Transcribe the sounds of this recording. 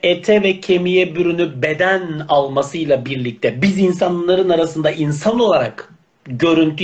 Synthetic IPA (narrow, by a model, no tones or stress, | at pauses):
et̪ʰɛvɛcʰe̞mijɛbyɾynybed̪ænalˠmasɯjlˠabiɾlʲic̚t̪ʰɛbizins̬anɯlːˠaɾɯnaɾasɯnd̪ainsano̞lˠaɾak | ɟø̞ɾynt̪ʰy